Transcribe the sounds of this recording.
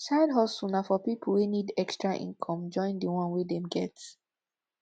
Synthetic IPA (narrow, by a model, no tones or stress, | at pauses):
saɪdɦɔsunafɔpipʰəlˠwinidɛkstɹaʔḭ̃nkʰɔ̃md͡ʒɔ̃ɪ̃ndəwɔ̃nwidɛ̃mɡɛt